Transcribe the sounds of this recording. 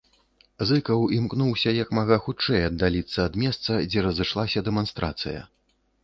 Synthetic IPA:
zɨkɐwimknuwsʲɐjɐkmaɣaxut͡ʂɛjɐd̪ːalʲit̪sːɐːd̪mʲɛst̪sɐd͡zʲɛɾɐzɨʂlˠasʲɐd̪ɛman̪st̪ɾa̰t̪sɨjɐ̰

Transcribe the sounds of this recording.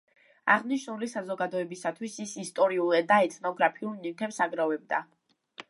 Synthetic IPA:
aʁniʃnulisazɔɡad̪ɔɛbisat̪ʰwisisist̪ʼɔɾiulˠɛd̪aɛt̪ʰnɔɡɾapʰiulˠnit̪ʰɛpsaɡɾavɛb̚d̪a

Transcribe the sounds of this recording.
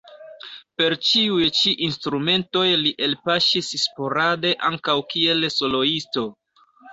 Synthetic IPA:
pe̞ɾt͡ʃiujt͡ʃiʔinstɾume̞nto̞jliʔelpaʃisspo̞ɾade̞ʔaŋkawkie̞lso̞lo̞isto̞

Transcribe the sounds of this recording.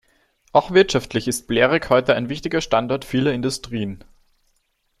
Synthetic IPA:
ʔaʊxv̥ɪɐtʃaftlɪçɪst̚b̥leːʁɪkhɔʏtəaɪnvɪçtɪɡɐʃtandɔɐtfiːlɐɪndʊstʁ̥iːən

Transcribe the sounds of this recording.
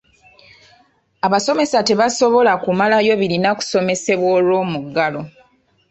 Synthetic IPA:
aβaso̞me̞sate̞βaso̞βo̞lakumalajo̞βilinaku̥so̞me̞se̞βwoːlwo̞ːmuɡːalo̞

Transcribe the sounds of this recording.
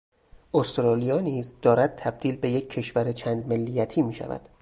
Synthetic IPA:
ʔost̪ɾɒːlijɒːniːzd̪̥ɒːɾæd̪̚t̪ʰæb̚d̪̥iːlbe̞je̞cʰːe̞ʃvæɾet͡ʃʰæːnd̪me̞lːijæt̪ʰiːmiːʃæ̰væ̰d̪̥

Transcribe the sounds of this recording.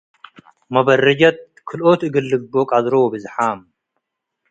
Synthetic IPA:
mɐbɐrɐd͡ʒɐt̪̚ | kʰɨlʔot̪ɨɡɨlːɨbbokʼazɾowobɨzħam

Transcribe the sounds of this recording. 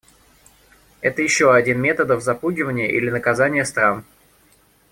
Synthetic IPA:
ɛt̪əjɪɕːoɐdʲinmʲe̞t̪əd̪əvzɐpuɡʲɪvənʲɪjəʔḭlʲɪnəkɐzanʲɪjəst̪ɾam

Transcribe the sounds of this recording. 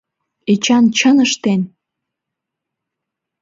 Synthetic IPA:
et͡ɕɑnt͡ɕənəʃt̪en

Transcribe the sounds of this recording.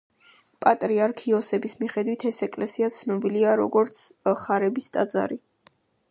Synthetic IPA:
pʼat̪ʼɾiaɾkʰiɔsɛbismiχɛd̪wit̪ʰɛsɛkʼlɛsiat̪sʰnɔbiliaɾɔɡɔɾt̪sʰχaɾɛbist̪ʼad̪za̰ɾi

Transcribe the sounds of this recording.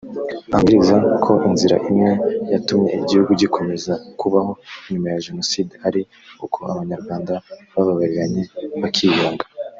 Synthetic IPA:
aŋɡiɾizakʰo̞ʔinziɾa̰ʔimŋe̞jatumɲe̞̰iɟihuɡuɟikʰo̞me̞zakuβaho̞ɲumajaʒe̞no̞sideaɾi | ukʰo̞a̰βaɲaɾɡwaːndaβaβaβaɾiɾaɲe̞βakʰijaːŋɡḁ

